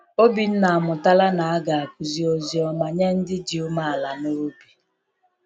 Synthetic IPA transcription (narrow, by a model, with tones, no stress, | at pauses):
o˦bi˨n̩˦na˨a˨mʊ˨ta˦la˦na˨a˦ɡa˨a˨k̚u˨zi˨o˨zi˨ɔ˨ma˨ɲe˦n̩˦dɪ˦d͡ʒi˨ʊ˦ma˦a˨la˨no˦bi˨